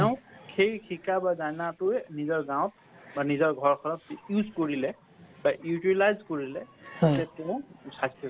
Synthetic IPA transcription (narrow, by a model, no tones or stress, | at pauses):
ɛʊ̃kʰejkʰikabazanatʊɛnizɔɹɡãw̃t̚ | banizɔɹɡʱɔɹkʰɔnɔtjuzkoɹilɛ | bajutilajzkoɹilɛɛtɛʊ̃sakʰi